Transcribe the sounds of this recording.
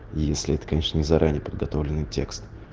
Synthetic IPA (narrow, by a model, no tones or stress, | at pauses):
jesʲlʲɪɛt̪ə̥kɐnʲe̞ʂnənʲɪzɐɾʔanʲɪjəpəd̪̚ɡɐt̪o̞vlʲɪnːɨjtʲe̞kst̪